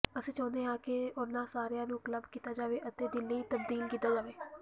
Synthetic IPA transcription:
əsĩːt͡ʃɔ̃ːnd̪eːãːkeʊnãːsaːɾejãːnũːkələbkiːt̪aːd͡ʒaːʋeːʔət̪eːd̪ɪlːeiːt̪əb̚d̪iːlkiːt̪aːd͡ʒaːʋeː

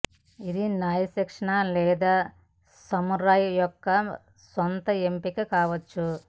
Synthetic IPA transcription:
id̪inaːjɐsɐkʂɐɳalɛːd̪aː | sɐmuɾaːjjɔkːɐ | sɔnt̪ɐempikikaːʋɐt͡ʃːu

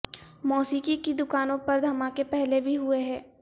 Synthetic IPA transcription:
mɔːsiːkikid̪ʊkaːnõpɐɾd̪ʱɐmãkepɛɦlebʱiɦʊeɦɛ̃ː

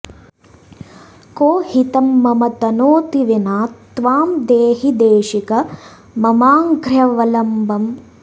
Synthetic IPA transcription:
koːhit̪ɐmːɐmɐt̪ɐnoːt̪iʋenaːt̪ʋaːmd̪eːɦid̪eːʃikɐ | mɐmaːŋɡɾjɐʋɐlɐmbɐm

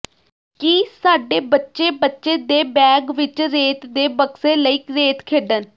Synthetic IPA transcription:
kiːsaːɖeːbətːʃeːbətːʃeːd̪eːbɛːɡʋɪt͡ʃɾeːt̪d̪eːbəkseːləiːkɾeːt̪kʰeːɖən

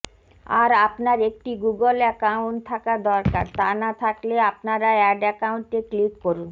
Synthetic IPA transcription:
a̰ɾapnaɾek̚ʈiɡuɡolɛkauɳʈ̚t̪ʰakad̪ɔɾka̰ɾt̪anat̪ʰakleapnaɾaɛɖɛkauɳʈeklikːoɾun

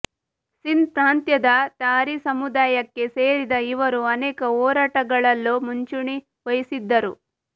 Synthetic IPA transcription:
sint̪ɾaːnt̪jɐd̪ɐt̪aːɾisɐmud̪aːjɐkːe̞se̞ːɾid̪ɐiʋɐɾuɐnɛːkɐɔːɾaːʈɐɡɐɭɐlːoːmuɲt͡ʃuɳi | ʋɐjisid̪ːɐɾu

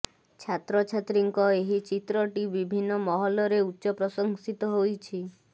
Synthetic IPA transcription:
t͡ʃʰat̪ɾɔt͡ʃʰat̪ɾiŋkɔeɦit͡ʃit̪ɾɔʈibibʱinːɔmɔɦɔlɔɾeutːʃɔpɾɔsɔŋsit̪ɔɦojt͡ʃʰi

